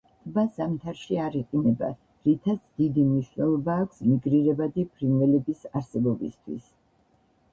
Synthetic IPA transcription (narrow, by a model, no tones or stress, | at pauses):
t̪ʼbasamt̪ʰaɾʃiaɾiqʼinɛba̰ | ɾit̪ʰat̪sʰd̪id̪imniʃwnɛlˠɔbaːkʷʰsmiɡɾiɾɛbad̪ipʰɾinvɛlɛbisaɾsɛbɔbḭst̪ʰwḭs